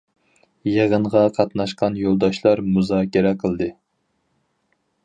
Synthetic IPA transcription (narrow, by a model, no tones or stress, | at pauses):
jeʁəɴʁɑqʰɑt̪nɑʃqɑnjolˠd̪ɑʃlˠɑɾmuzɑːkʲiɾɛqʰəlˠd̪ɨ